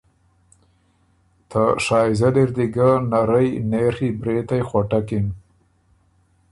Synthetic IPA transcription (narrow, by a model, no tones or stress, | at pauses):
t̪ʰaʂɑːzad̪ɪɾd̪iɡanaɾəjnexibɾet̪ajxwaʈakɪm